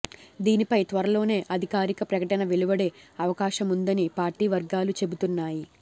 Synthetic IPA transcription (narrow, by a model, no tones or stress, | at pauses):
d̪iːnipɐjt̪ʋɐɾɐlo̞ːne̞ːʔɐd̪ʱikaːɾikɐpɾɐkɐʈɐnɐʋeɭubɐɽe̞ɐʋɐkaːʃɐmund̪ɐnipaːɾʈiːʋɐɾɡaːlut͡ʃe̞but̪unːaːji